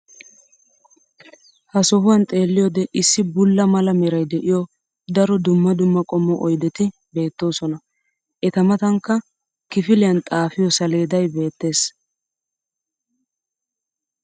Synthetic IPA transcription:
hɐsɔɦʊwɐnt̪ʼe̞ːlːɪjod̪ɛʔɪsːɪbʊlːɐmɐlɐmɛɾɐjd̪ɛʔɪjɔ | d̪ɐɾɔd̪ʊmːɐd̪ʊmːɐkʼɔmːɔʔɔjd̪ɛt̪ɪ | be̞ːt̪ːo̞ːsɔnɐ | ʔɛt̪ɐmɐt̪ɐŋkːɐ | kɪfɪlɪjɐnt̪ʼaːfɪjɔsɐle̞ːd̪ɐjbe̞ːt̪ːe̞ːs

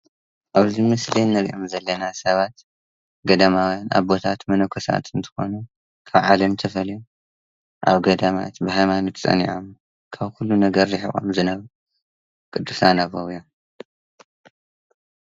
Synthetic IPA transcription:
ʔaβzimɨslinːɐɾʔomzɐlːɐnasɐβat̪ | ɡɐd̪amawjana̰βbo̞t̪ʰat̪mɐnokʰosa̰t̪ʰɨnt̪ʰɨ̥xo̞nu | kʰaβʕalɐmt̪ʰɐfɐlju | ʔa̰βɡɐd̪ama̰t̪bɨhajmanot̪t͡sʼɐ̰nḭʕom | kʰaβxulːunɐɡɐɾːɨħḭxʼo̰mzɨnɐβ | kʼɨd̪ːusanaβowjom

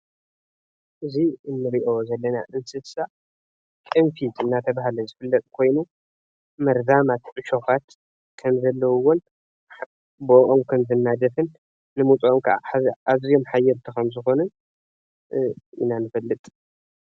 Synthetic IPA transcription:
ʔɨziɨnːɨɾiʔo̞zɐlːɐna̰ʔɨnsɨsa | kʼɨmfit̪ʰɨnːat̪ʰɐβaɦalɐzɨfɨlːɐt̪ʼkʰo̞jnu | mɐɾzamat̪ʕɨʃo̞kat̪ | kʰɐmzɐlːɐwuwon | boʔomkʰɐmzɨnːad̪ɐfɨnː | ɨmut͡sʼomkʰɐʔa̰azijo̞mħajːɛɾt̪ʰikɐmzɨxo̞nɨn | ḭnanɨfɐlːɨt̪ʼ

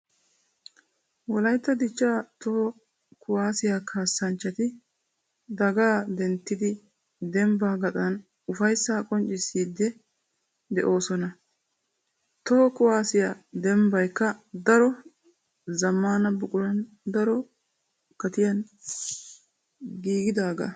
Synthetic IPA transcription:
wɔlɐjt̪ːɐd̪ɪt͡ʃːaːt̪o | kʊwaːsɪjakʰaːsːɐnt͡ʃːɐt̪ɪ | d̪ɐɡaːd̪ɛnt̪ːɪd̪ɪ | d̪ɛmbaːɡɐt̪ʼɐn | ʊfɐjsːaːkʼɔnt͡ʃʼːɪsiːd̪ːɛ | d̪ɛʔo̞ːsɔnɐ | t̪okʊwaːsɪjaːd̪ɛmbɐjkːɐd̪ɐɾɔ | zɐmːaːnɐbʊkʼʊɾɐn | d̪ɐɾɔ | kɐt̪ɪjɐn | ɡiːɡɪd̪aːɡɐ̰

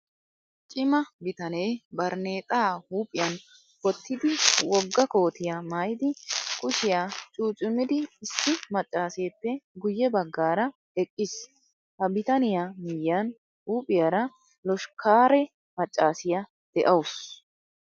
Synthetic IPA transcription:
t͡ʃʼɪmɐbɪt̪ɐneːbɐɾne̞ːt̪ʼaːhuːpʼɪjɐn | kɔt̪ʰːɪd̪ɪwɔɡːɐko̞ːt̪ɪjamaːjd̪ɪkʼʊʃɪjaːt͡ʃʼuːt͡ʃʼɪmɪd̪ɪːsːɪmɐt͡ʃʼːaːseːpːɛɡʊjːɛbɐɡːaːɾɐ | ɛkʼːɪs | hɐbɪt̪ɐnɪjamɪjːɐn | huːpʼɪjaɾɐ | lɔʃkʰaːɾɛ | mɐt͡ʃʼːaːsɪjɐ | d̪̥ɛʔɐwʊs

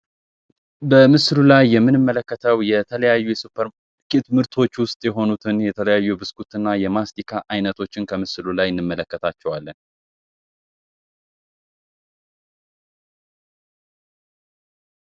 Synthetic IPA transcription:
bəmɨslulajːɛmːɨnɨmːələkːət̪ʰəwjɛt̪ʰələjajːujɛsupʰːəɾ | kʼit̪mɨɾt̪ʰo̞t͡ʃːwʊst̪ʼjɛɦo̞nut̪ʰɨnjɛt̪ʰələjajːubɨskʰut̪ɨnːajɛmast̪ʰikʰaʔajnət̪ʰo̞t͡ʃːɪnkʰəmɨslulajɪnːɨmːələkːət̪ʰat͡ʃːɛwalːən

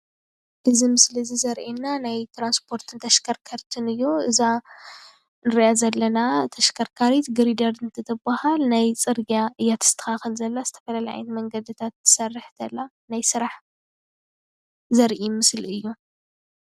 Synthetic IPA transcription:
ʔɨzimɨsliɨzizɐɾʔenːanajt̪ʰɾanspʰo̞ɾt̪ʰɨnt̪ʰɐʃkʰɐɾkʰɐɾt̪ʰɨnɨjːuɨza | nɨɾiʔazɐlːɐnat̪ʰɐʃkʰɐɾkʰaɾit̪ɡɨɾid̪ɐɾɨnt̪ʰɨt̪ʰɨbahalnajt͡sʼɨɾɡaʔɨjːat̪ɨz̥ɨ̥t̪ʰɐ̥xaxɨlzɐlːazɨt̪ʰɐ̥fɐlalaʕa̰jnmɐŋɡɐd̪ɨt̪ʰat̪ːɨ̥sɐrːɨħt̪ʰɐlːa | najsɨɾaħ | zɐɾʔimɨsliɨjːu

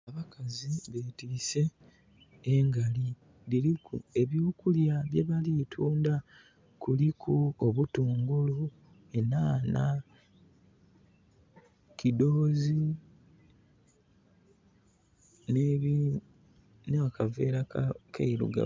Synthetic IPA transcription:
aβakaziβetise̞ː | ŋɡali | liɾikṵe̞βjuːkuljaβje̞βalitʰuːnda | kulikʰuoβutuːŋɡulu | enana | kido̞ːzi | ne | neakave̞ːɾakeiɾṵɡa̰

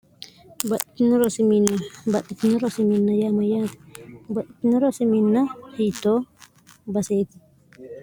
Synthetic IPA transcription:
bɐᶑɪt̪ɪnɪɾɔsɪminːɐbɐᶑɪt̪ɪnɪɾɔsɪminːɐjaːmɐjaːt̪ɪ̥bɐᶑɪt̪ɪnɪɾɔsɪmɪnːɐhijt̪ːoː | bɐseːt̪ɪ̥

